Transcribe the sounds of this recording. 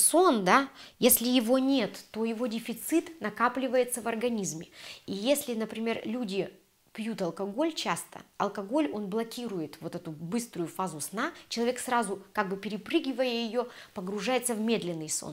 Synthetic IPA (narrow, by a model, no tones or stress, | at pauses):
so̞nd̪ajesʲlʲɪjɪvo̞nʲe̞t̪ːo̞jɪvo̞dʲɪfʲɪt̪sɨt̪nɐkaplʲɪvəjɪt̪səvɐrɡɐnʲizmʲɪijesʲlʲɪnəpɾʲɪmʲe̞rlʲudʲɪ | pjut̪ɐlˠkɐɡo̞lʲt͡ɕast̪ə̰ɐ̰lˠkɐɡo̞lʲo̞nblˠɐkʲiɾʊjɪt̪vo̞t̪ɛt̪ʊbɨst̪ɾʊjʊfazʊsnat͡ɕɪlˠɐvʲe̞ksrazʊkaɡ̚bɨpʲɪɾʲɪpɾɨɡʲɪvəjəjɪjo̞pəɡɾʊʐajɪt̪səvmʲed̪lʲɪnːɨjso̰n